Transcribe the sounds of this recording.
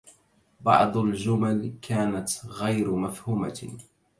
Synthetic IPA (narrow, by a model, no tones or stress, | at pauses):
bɑ̰ʕd̪ˤʊld͡ʒʊmalkʰaːnat̪ɣajɾmafhuːma̰